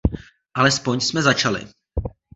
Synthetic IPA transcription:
ʔalɛspo̞ɲsmɛzat͡ʃalɪ̰

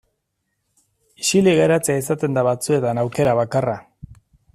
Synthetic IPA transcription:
isiliɣeɾat͡seais̬at̪e̞nd̪aβat͡sue̞t̪anawke̞ɾaβakara

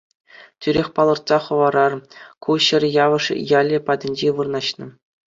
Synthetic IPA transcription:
tʲyɾʲexʲpɑlˠɤ̆rt̪sɑχɤ̆ʋɑɾɑrkuɕɘ̆rʲjɑʋɤ̆ʂjɑlʲɘ̆pɑdʲɘ̆nʲd͡ʑeʋɯrnɑɕnɤ̆

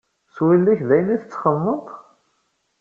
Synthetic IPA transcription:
swilːæçðæjəniθət͡sːχənːət̪ˤ

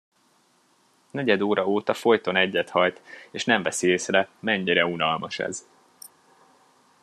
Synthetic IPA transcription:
nɛɟɛd̪oːɾɒoːt̪ɒfo̞jt̪o̞nɛɟːɛt̪hɒjt̪eːʃnɛɱvɛsieːsrɛmɛɲːiɾɛunɒlmɒʃɛ̰z

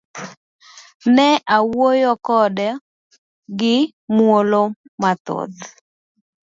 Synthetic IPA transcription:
nɛʔawojɔkɔdɛ | ɡɪ | mwolomat̪o̰t̪

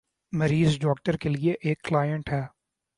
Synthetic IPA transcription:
mɐɾiːzɖɔːk̚ʈəɾkelieʔeːkːlaːjə̃ɳʈɦɛː

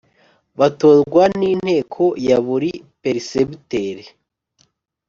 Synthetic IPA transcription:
βatozɡwaniːn̥he̞ːkʰo̞jaβuɾipeɾisebiteɾe

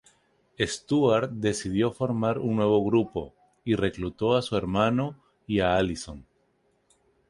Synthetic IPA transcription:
e̞st̪uaɾd̪e̞sið̞jo̞fo̞ɾmaɾuŋnwe̞β̞o̞ɣɾupo̞̰ | ire̞klut̪o̞asue̞ɾmano̞ | iaaliso̞n

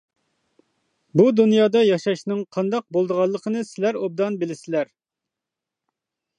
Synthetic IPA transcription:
bud̪unjɑːd̪ɑjɑʃɑʃnɨŋqʰɑnd̪ɑq̚bolˠd̪əʁɑlˠːəqʰənɨsɪlæɾob̚d̪ɑnbɪlɪsɪlæɾ

